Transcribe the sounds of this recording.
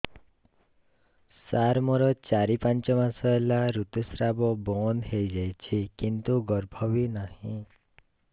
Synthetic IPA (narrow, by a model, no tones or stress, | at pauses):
saɾmɔɾɔt͡ʃaɾipant͡ʃɔmasɔelaɾut̪usɾabɔbɔnɦejd͡ʒajt͡ʃʰikint̪uɡɔɾbʱɔbinahĩ